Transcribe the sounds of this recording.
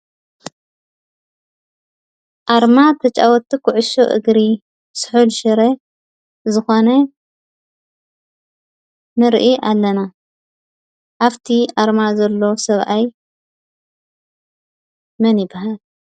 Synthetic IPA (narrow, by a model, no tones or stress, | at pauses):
ʔaɾmat̪ʰɐt͡ʃʼa̰wɔt̪ːikʰuʕʊʃoʔɨ̰ɡɾi | sɨ̥ħulʃɨɾe | zɨxonɐ | mɨɾʔiʔalːɐna | ʔaβt̪ʰiʔaɾmazɐlːo̞sɐβʔaj | mɐnjɪbːaɦal